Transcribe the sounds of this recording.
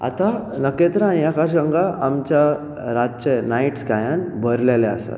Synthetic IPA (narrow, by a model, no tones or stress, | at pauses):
a̰t̪anəket̪ɾaaniakaɕ̬ɡaŋɡaːmt͡ɕja | ɾat̪t͡ɕenaiʈsɡajanbʱəɾlelɛa̰sa̰t̪